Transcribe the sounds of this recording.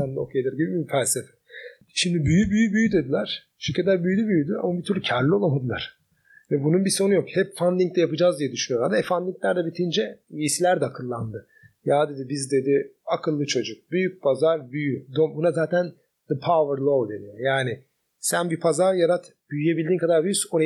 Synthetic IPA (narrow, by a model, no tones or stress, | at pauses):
and̪o̰kʰed̪ɯɾɟibimibifælʲsefɛ̥ | ʃimd̪ibyjybyjybyjyd̪e̞d̪ilʲæɾ̥ | ʃiɾcʰːɛt̪lʲæɾbyjlʲybyjyd̪ya̰mabit̪ʰyɾlʲcʰaɾlʲːiolˠamad̪ɯlˠa̰ɾ̥ | vɛbununbiso̞nujo̞khɛpfand̪iɲct̪ɛjapɯd͡ʒaːzd̪ijɛd̪yʃynyjoɾad̪aɛfand̪iŋclʲæɾd̪ɛbit̪ʰind͡ʒɛisilʲæɾd̪ɛakʰɯlˠːand̪ɯ | jaːd̪e̞d̪ibizd̪e̞d̪ɪakʰɯlˠːɯt͡ʃʰo̞d͡ʒuk̚byjyc̚pʰazaɾbyjyd̪obunazaːt̪ʰæn | d̪ɯpʰavəɾlˠovd̪ed̪ijaːnɪ | sænbipʰazaɾjaɾat̪byjyjebilʲd̪iːnkʰad̪aɾbyjyson